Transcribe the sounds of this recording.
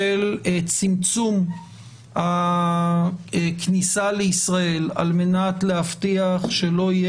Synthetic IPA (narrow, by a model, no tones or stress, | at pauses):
elt͡simt͡sum | ha | knisaleisʁae̞la̰lme̞natlehaft̪iaχʃe̞lo̞ije